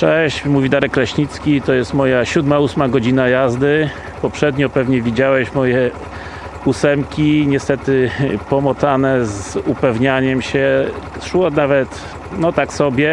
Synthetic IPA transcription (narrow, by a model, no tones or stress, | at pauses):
ʂɛɕt͡ɕmuvʲid̪aɾɛkːlɛɕɲit̪skʲit̪ɔjɛst̪mɔjaɕud̪mausmaɡɔd͡ʑinajazd̪ɘ | pɔpʂɛd̪ɲɔpɛvɲɛvʲid͡ʑawɛɕmɔjɛ | usɛmkʲiɲɛst̪ɛt̪ɘpɔmɔt̪sanɛzupɛvɲaɲɛmɕɛʂwɔnavɛt̪ | nɔt̪aksɔbʲjɛ